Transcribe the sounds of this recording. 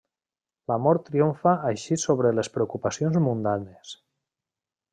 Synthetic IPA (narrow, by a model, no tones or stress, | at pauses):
lamɔɾt̪ːɾiuɱfaʔːjʃisoβɾelespɾeukupasionzmund̪anes